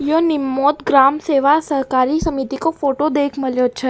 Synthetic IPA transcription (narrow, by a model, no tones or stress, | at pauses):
jonimːot̪ɡɾamseʋasəɦkaɾisəmit̪ikofoʈod̪ekʰməljot͡ʃʰe